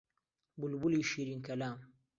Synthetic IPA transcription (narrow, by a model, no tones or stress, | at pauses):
bulbuliːʃiːɾiːnkɐlaːm